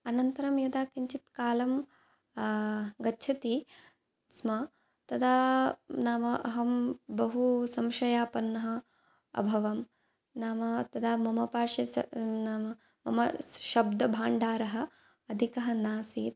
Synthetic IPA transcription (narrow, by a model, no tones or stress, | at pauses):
ɐnɐnt̪ɐɾɐmjɐd̪aːkiɲt͡ʃit̪kaːlɐm | ɡɐːt͡ʃʰɐt̪i | smɐ | t̪ɐd̪ʰaːnaːmɐʔɐɦɐmbɐɦusɐmʃɐjaːpɐnːɐɦɐ̆ | ɐ̰bʱɐʋɐm | naːmɐt̪ɐd̪aːmɐmɐpaːʂɐɐ̰naːmɐ | mɐ̰mɐʃɐb̚d̪ɐbʱaːɳɖaːɾɐɦɐ̆ | ɐd̪ʱikɐɦɐnaːsiːt̪̚